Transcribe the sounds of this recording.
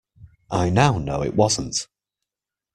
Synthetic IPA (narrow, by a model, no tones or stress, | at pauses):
ʔaɪnaʊnoʊɪ̰ʔwɒzə̃n̩t